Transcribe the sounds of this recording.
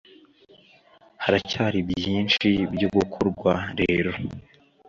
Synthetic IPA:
haɾacaːɾibjiːnt͡ʃibjoɡukʰoɾɡwaɾeːɾo̞

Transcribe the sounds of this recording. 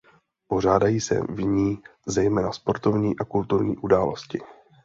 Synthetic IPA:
po̞r̝aːdajiːsɛ̰vɲiːzɛjmɛːnaspo̞ɾt̪o̞vɲiːʔakult̪uɾɲḭːʔudaːlo̞̰scɪ

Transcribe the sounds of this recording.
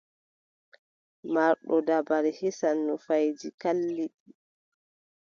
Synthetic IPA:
maɾɗɔdabaɾihisanːɔfajd͡ʒikalːiɗi

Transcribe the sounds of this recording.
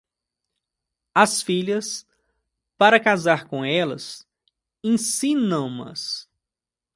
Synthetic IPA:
ɐsfiʎɐs | paɾɐkazaɾkõɛlɐ̰s | ẽsĩnɐ̃w̃ɐ̰s

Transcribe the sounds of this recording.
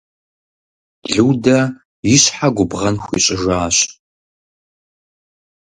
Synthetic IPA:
ɮɨwdɐ | jɪɕħaɡʷʊbʁɐnxʷḭɕʼɪʒaːɕ

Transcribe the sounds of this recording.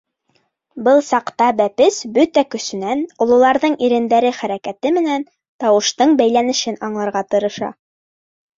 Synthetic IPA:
bɤlˠsɑqt̪ɑbæpɘsbɵt̪ækɵ̆sɵ̆nænŏlˠŭlˠɑɾðɤɴiɾɘ̆nd̪æɾɘχæɾækæt̪ɘmɘ̆næn | t̪ɑwɤ̆ʃt̪ɤɴbæjlænɘ̆ʃɘnɑɴlˠɑɾʁɑt̪ɤ̆ɾɤ̆ʃɑ̰

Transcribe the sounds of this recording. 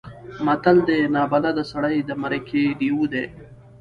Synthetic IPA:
mɐt̪ald̪enɑːbalad̪əsaɽajd̪əmaɾəkʰeɖiwud̪e

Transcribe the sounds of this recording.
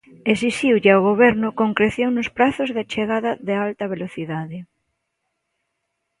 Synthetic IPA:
esist̪iwʎeaoɣ̞oβ̞eɾnʊkoŋkɾeθjoŋnospɾaθozðat͡ʃeɣaðaðealt̪ɐβ̞eloθiðaðe

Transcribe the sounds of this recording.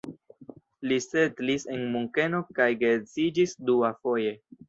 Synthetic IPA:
lisetlise̞nmuŋke̞nokajɡezid͡ʒisduafo̞je̞

